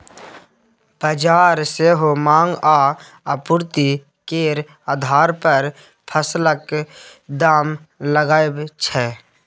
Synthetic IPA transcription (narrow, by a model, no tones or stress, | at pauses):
b̥əd͡ʒaːɾseːɦomãːŋɡaː | əpʊɾt̪i | keːɾ | ad̪ʱaːɾpəɾ | pʰəsləkd̪aːmləɡaːebt͡ʃʰɛ